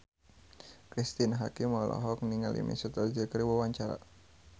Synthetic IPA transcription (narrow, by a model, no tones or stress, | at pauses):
kɾist̪inɦakimɔlʔɔ̰ɦɔk̚niŋalḭmʔḭsut̪ərd͡ʒəkəɾiwawaɲt͡ʃaɾa̰